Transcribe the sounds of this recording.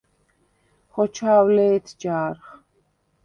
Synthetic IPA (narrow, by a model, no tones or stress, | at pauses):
χɔt͡ʃʰaːwlɛːt̪ʰd͡ʒaːɾχ